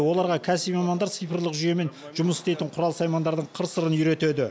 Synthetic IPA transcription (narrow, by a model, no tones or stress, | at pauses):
wo̞lˠɑɾʁɑkʲʰæsipmɑmɑnd̪ɑɾt̪sɨjfərlˠəqʒʏje̞me̞n | ʒʊməsɪst̪e̞jt̪ɪɴqʰʊɾɑlˠsɑjmɑnd̪ɑɾd̪əɴqʰəɾsəɾənjʏɾe̞t̪e̞d̪ɪ